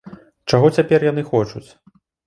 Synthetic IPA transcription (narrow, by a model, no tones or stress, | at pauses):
t͡ʂaɣɔt͡sʲapʲɛrjan̪ɨxɔt͡ʂut͡sʲ